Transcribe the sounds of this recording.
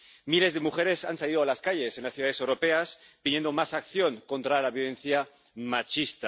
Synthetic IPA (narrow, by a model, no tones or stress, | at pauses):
mile̞zðe̞muxe̞ɾe̞sansaliðoalaskaʎe̞se̞nlasθjuðaðesewɾo̞pe̞aspinje̞nd̪omasakθjo̞ŋkõ̞nt̪ɾalaβjo̞lẽ̞nθja | mat͡ʃist̪a